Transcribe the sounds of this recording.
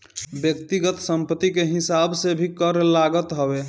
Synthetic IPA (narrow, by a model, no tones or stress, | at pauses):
bjəkt̪iɡət̪səmpət̪ikeɦisabsebʱikəɾlaɡət̪ɦəbe